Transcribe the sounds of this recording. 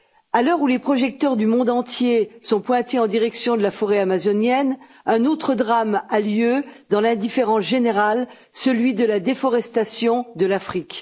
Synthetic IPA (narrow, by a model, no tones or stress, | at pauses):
alœʁulepχɔʒɛk̚t̪œʁd̪ymɔ̃d̪ɑ̃t̪jesɔ̃pwɛ̃t̪eɑ̃d̪iʁɛksjɔ̃d̪əlafɔʁeamazɔnjɛn | ɛ̃not̪χəd̪ʁamaljød̪ɑ̃lɛ̃d̪ifeʁɑ̃sʒeneʁal | səlɥid̪əlad̪efɔʁɛst̪asjɔ̃d̪əlafχik